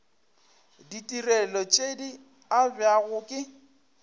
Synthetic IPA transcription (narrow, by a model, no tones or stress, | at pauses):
ditʼirɛlɔt͡ʃʼedi | abjaɣʊkʼɪ